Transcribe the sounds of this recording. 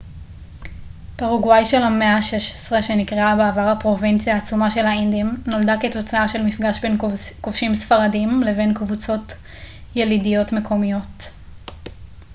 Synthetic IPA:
paʁaɡwajʃe̞lameaʃeʃe̥sʁeʃe̞nikʁeabeːvaʁhapʁo̞vint͡sjaːt͡sumaʃe̞lhaindimno̞ldake̞to̞t͡saaʃe̞lmifɡaʃbenkofʃimsfaʁadimle̞ve̞nkvut͡so̞t | jelidijo̞tme̞kʰo̞mijo̞t

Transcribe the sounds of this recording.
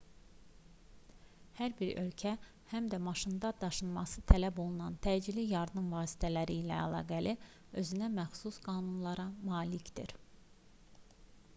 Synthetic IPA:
hæɾbiɾø̞̰lcʰæ | hæmd̪æmɑʃɯnd̪ɑd̪̥ɑʃɯnmɑsɯt̪ʰælæbo̞lˠunɑnt̪ʰæd͡ʒilijɑɾd̪ɯmvɑːsi̥t̪ʰælæɾiːlæ̰æ̰lˠɑ̰ːɡæli | ø̞zynæmæxsusɡɑːnunlˠɑɾɑmɑːlicd̪ḭɾ

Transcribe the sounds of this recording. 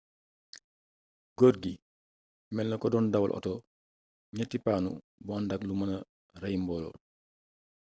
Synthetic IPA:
ɡ̥oɾɡi | mɛlnːɐkɔdɔːndɐwɐ̰lʔɔ̰tɔ | ɲɐtipaːnṵ | buandaklumɐnɐ | rajmbɔlɔ̰l

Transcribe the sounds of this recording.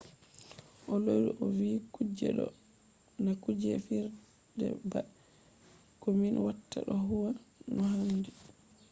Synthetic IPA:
ʔɔloɾiʔɔviːkud͡ʒɛ̰ɗɔ̰ | nakud͡ʒɛfiɾ | dɛ̰ba | kɔminwatːa̰ɗɔɦuwanɔhandi

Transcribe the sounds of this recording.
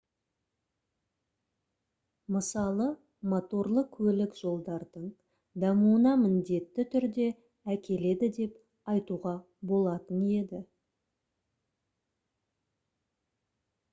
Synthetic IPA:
məsɑlˠə | mo̞t̪o̞ɾlˠəqkʲʰɵlɪkʒ̥o̞lˠd̪ɑɾd̪əɴ | d̪ɑmuənɑmɪnd̪e̞t̪ːɪt̪ʰʏɾd̪e̞ | ækʲe̞le̞d̪ɪd̪e̞p | ɑjt̪uʁɑ | bo̞lˠɑt̪əne̞d̪ɪ

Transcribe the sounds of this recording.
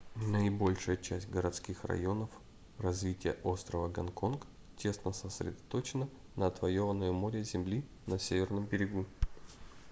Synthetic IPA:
nəɪbo̞lʲʂɨjət͡ɕæsʲtʲɡəɾɐt̪skʲixrɐ̰jo̞nəf | rɐzvʲitʲɪjəʔost̪ɾəvəɡɐnko̞nk | tʲʰe̞snəsəsɾʲɪ̰d̪ɐt̪o̞t͡ɕɪnə | nəːt̪vɐjo̞vənːʊjʊmoɾʲəzʲɪmlʲi | nɐsʲevʲɪrnəmbʲɪɾʲɪɡu

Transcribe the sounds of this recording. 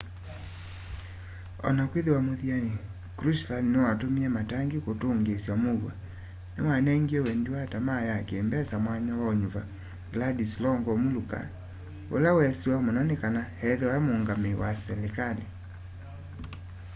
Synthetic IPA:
ɔ̰nakweðewamoðiani | kɾuslaninewatomiɛmataŋɡikotoŋɡesjamoɣwa̰ | newanɛŋɡiɛwɛndiwatamajakeːmbɛsamwaɲawaoɲuva | ɡladislɔŋɡɔmuluka̰ | o̰lawɛsiwamonɔnekanahɛðɛwaɛmoŋɡamewasɛlekale

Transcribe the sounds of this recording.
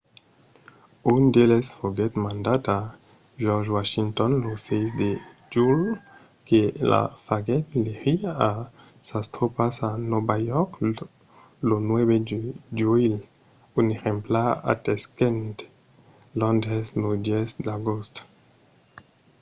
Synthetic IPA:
und̪elɛsfoɡɛt̪mãnd̪at̪a | ʒɔʁʒwaʃint̪ɔnlosɛjsd̪e | ʒul | kela̰faɡɛt̪leʁia | sast̪ʁopasanɔbajɔʁk | lonwɛβedeʒuil | uneʁẽmplaa̰t̪ɛskɛ̃nt̪ | lɔ̃nd̪ʁɛzlod̪jɛsd̪aɡost̪

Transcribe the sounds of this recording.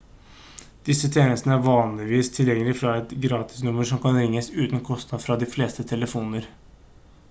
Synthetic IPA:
d̪̥ɪsːət̪ʰeːnəst̪nəæɾʋɑːnlɪʋiːst̪ʰɪljɛŋːəlɪfɾɑɛt̪ɡɾɑːt̪ɪ̥snʊməʂɔmkɑnɾɪŋːəsʉːt̪n̩kʰɔst̪nɑd̪fɾɑd̪ɪfleːst̪ət̪ʰɛləfuːnəɾ

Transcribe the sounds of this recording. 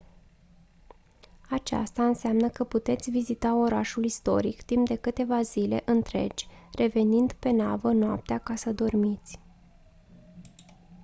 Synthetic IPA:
at͡ʃa̰st̪aɨnseamnəkəput̪e̞t̪sʲvizit̪ao̞ɾa̰ʃulist̪o̞̰ɾikt̪imp̚d̪e̞kɨt̪e̞vazile̞̰ʔɨnt̪ɾe̞̰d͡ʒʲre̞ve̞nind̪pe̞navənoap̚t̪eakasəd̪o̞rmit̪sʲ

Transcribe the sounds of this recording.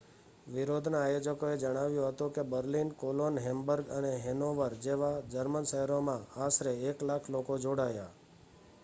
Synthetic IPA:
ʋɪɾod̪ʱnaajod͡ʒəkoed͡ʒəɽ̃aʋjũɦət̪ũkebəɾlinkolonɦɛmbəɾɡəneɦenoʋəɾd͡ʒeʋad͡ʒəɾmənʃəɦɛɾomãasɾeːklakʰlokod͡ʒoɽaja

